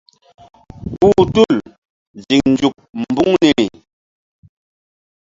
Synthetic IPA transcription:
puː˨tu˦˨l | d͡ʒi˨ŋn̩˨˦d͡ʒu˨k̚m̩˨bu˦ŋni˨i˨

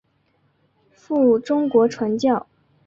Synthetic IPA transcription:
fu˥˩ʈ͡ʂʊ˥ŋkwɔ˧˥ʈ͡ʂʰwa˧˥nt͡ɕjɑ˥˩ʊ

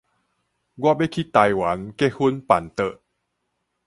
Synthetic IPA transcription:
ɡɔ˧˥pe˦˥˨kʰi˧˦t̪ːa˧jwa˨˦nke˧hu˧npa˨˦nt̪ə˧˩ʔ

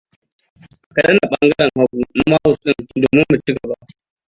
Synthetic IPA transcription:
ʔkɐ˨ɗɐ˦nːa˨ɓɐ˦ŋɡɐ˦ɽɐ˨ŋha˦ɡu˨m˦ma˦wʊ˨sɗɪ˦ndoː˨mɪ˦mːu˨t͡ʃɪ˦ɡɐ˨ba˦ʔ

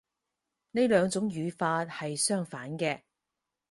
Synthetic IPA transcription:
ne˥jlœː˨˧ŋt͡sʊ˨˥ŋjyː˨˧faː˧t̚hɐ˨jsœː˥ŋfaː˨˥nkɛː˧

